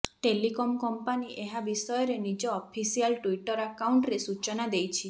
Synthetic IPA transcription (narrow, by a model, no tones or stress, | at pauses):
ʈelikɔmkɔmpaniʔeɦabisɔjɔɾenid͡ʒɔːpʰisialʈuiʈɔɾakawɳʈɾesut͡ʃɔnad̪ejt͡ʃʰi